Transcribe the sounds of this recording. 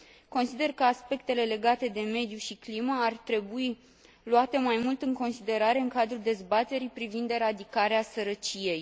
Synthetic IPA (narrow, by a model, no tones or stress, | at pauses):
ko̞nsid̪e̞rkəaspe̞k̚t̪e̞le̞le̞ɡat̪e̞d̪e̞me̞d̪juʃikliməart̪ɾe̞bui | luat̪e̞majmult̪ɨŋko̞nsid̪e̞ɾaɾe̞ɨŋkad̪ɾuld̪e̞zbat̪e̞ɾipɾivind̪eɾad̪ikaɾeasəɾət͡ʃije̞j